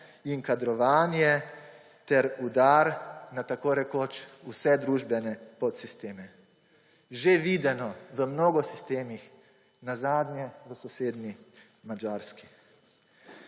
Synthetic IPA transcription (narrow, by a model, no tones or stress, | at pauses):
iŋkad̪ɾɔʋaːnjɛ | t̪ɛɾud̪aːɾnat̪akoɾɛkoːt͡ʃusɛd̪ɾuʒbɛnɛpɔt̪sist̪eːmɛ | ʒeʋiːd̪ɛnɔʋəmnoːɡɔsist̪eːmix | nazaːd̪njɛʋəsɔseːd̪ni | mad͡ʒaːɾski̥